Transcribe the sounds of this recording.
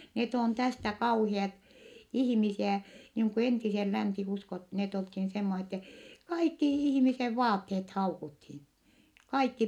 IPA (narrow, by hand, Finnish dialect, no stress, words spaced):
net on tæstæ kɑuhiɑt ihĭmisiæ niːŋ ku entisel lænsiuskot net olthin semːose tːɛ kɑikːi ihmiseʋ ʋɑːtːeːt hɑukuthin kɑikːi